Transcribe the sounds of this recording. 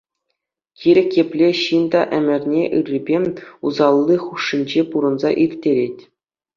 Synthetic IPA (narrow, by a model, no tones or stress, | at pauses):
kʲiɾʲɘ̆kʲjepʲlʲeɕind̪ɑʔɘ̆mʲɘ̆rʲnʲeʔɯrʲːibʲeuzɑlˠːiχuʂːinʲd͡ʑepuɾɤ̆nzɑ̰ʔirʲtʲːeɾʲet̚ʲ